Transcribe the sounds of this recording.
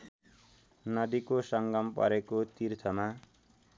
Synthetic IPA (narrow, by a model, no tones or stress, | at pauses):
nʌd̪ikosʌŋɡʌmpʌ̰ɾekot̪irt̪ʰʌma